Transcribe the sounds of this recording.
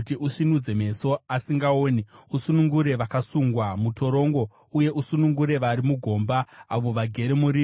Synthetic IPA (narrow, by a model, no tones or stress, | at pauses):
tiʔuʂinud͡ze̞me̞so̞asiŋɡaoːniusunuŋɡuɾe̞ʋakasuŋɡwamuto̞ɾo̞ŋɡo̞ | uje̞ʔusunuŋɡuɾe̞ʋaɾimuɡʱo̞ːmbaaʋo̞ʋaɡʱe̞ɾemuɾiː